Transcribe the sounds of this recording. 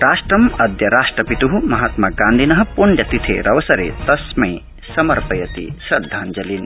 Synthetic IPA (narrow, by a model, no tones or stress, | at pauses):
ɾaːʂʈɾɐmɐd̪jɐɾaːʃʈɾɐpit̪uɦumɐɦaːt̪maɡaːnd̪ʱinɐɦɐ̆puɳɖjɐt̪it̪ʰḛɾɐʋɐsɐɾḛt̪ɐsmẽj | sɐmɐɾpɐjɐt̪ḭsɐd̪ʱːaːnd͡ʒɐlin